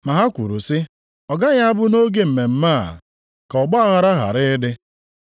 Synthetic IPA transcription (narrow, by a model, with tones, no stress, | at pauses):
ma˨ɦa˦kʷṵ˨ɾu˨sɪ˦ | ɔ˨ɡa˦ɣa˦a˦bʊ˦no˦ɡe˦m̩˨me˨m̩˦ma˦˨ | kɔ˨ɡ͡ba˦a˦ɣa˨ɾa˦ɦa̰˨ɾɪ˦ɪ˦dɪ˦